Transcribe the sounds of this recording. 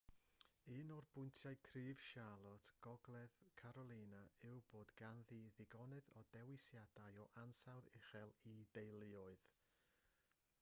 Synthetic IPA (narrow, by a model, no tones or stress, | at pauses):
ɨːnɔrb̥ʊntʰjaɨkʰriːv̥ʃalˠɔtʰɡ̥ɔɡlˠɛðkʰaɾɔlˠiːnaɪwb̥oːdɡanðiðɪɡɔnɨðɔdɛwɪsjad̥ajɔʔansawðɪχɛlˠidejlˠɪɔɨð